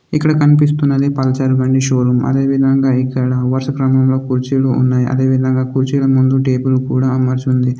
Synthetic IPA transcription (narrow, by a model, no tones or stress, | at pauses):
ikːɐɽɐkɐnipis̬t̪unːɐd̪ipɐlɐt͡ʃɐɾuʋɐɳɖiʃoːɾumɐ̰d̪e̞ːʋid̪ʱɐŋɡaːikːɐɽɐʋɐɾʃɐkɾɐmɐmlo̞ːkuɾt͡ʃiːluʔṵnːaːjʔɐ̰d̪e̞ːʋid̪ʱɐŋɡaːkuɾt͡ʃilɐmund̪uʈe̞ːbulukuːɽaːmɐɾt͡ʃund̪i